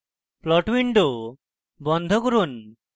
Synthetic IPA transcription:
plɔʈwiɳɖo | bɔnd̪ʱokɔɾun

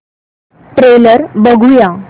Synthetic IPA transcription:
ʈɾeləɾbəɡʱuja

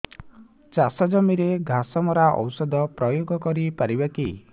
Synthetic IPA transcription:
t͡ʃasɔd͡ʒɔmiɾeɡʱasɔmɔɾaʔɔ̰wsɔd̪ʱɔpɾɔjoɡɔkɔɾipaɾibaki

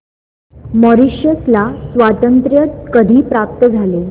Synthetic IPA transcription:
məɾiɕjəslasʋat̪ənt̪ɾjət̪kəd̪ʱiːpɾap̚t̪əd͡zʱale

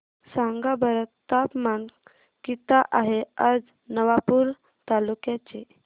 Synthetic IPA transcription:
saŋɡabəɾət̪ːapman | kit̪aʔaɦead͡z | nəʋapuːɾ | t̪alukjat͡se

